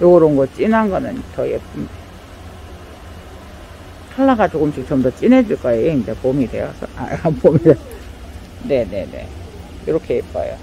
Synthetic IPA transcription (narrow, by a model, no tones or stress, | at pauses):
joɡʌɾonɡʌt͡ɕ͈inɦanɡʌnɯnt͡ɕʌjep͈umde | tʰaɭːaɡad͡ʑoɡumɕik̚t͡ɕʌmdʌt͡ɕ͈ined͡ʑuɭk͈ajeeind͡ʑepomidwe̞̰jʌsʰʌa̰pomide | ne̞ne̞̰nḛ | jʌɾʌkʰejep̚p͈a̰jo̰